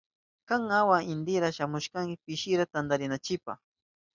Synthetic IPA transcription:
kaŋawaɪnd̪ɪɾaʃamʊʃkaŋkɪpɪʃɪɾat̪and̪aɾɪnat͡ʃɪpa̰χ

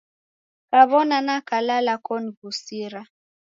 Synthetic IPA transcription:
kaβɔnanakalalakɔniɡusiɾa

